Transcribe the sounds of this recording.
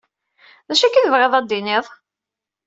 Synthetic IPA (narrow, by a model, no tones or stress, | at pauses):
ðæʃækːiθəvʁeðˤɑd̪ːinɪðˤ